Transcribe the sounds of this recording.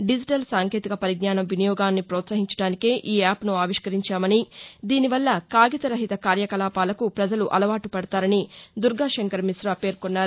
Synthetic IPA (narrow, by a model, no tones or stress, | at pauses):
ɖid͡ʒiʈɐlsaːŋke̞ːt̪ikɐpɐɾiɡ̚naːnɐmʋinijɔːɡaːnːipɾɔːt̪sɐɦiɲt͡ʃɐɽaːnikeːʔiːaːpnuaːʋiʂkɐɾiɲt͡ʃaːmɐnid̪iːniʋɐlːɐkaːɡit̪ɐɾɐɦit̪ɐkaːɾjɐkɐlaːpaːlɐkupɾɐd͡ʒɐluʔɐlɐʋaːʈupɐɽɐt̪aːɾɐnid̪uɾɡʱaːʃɐŋkɐɾmisɾɐpe̞ːɾkonːaːɾu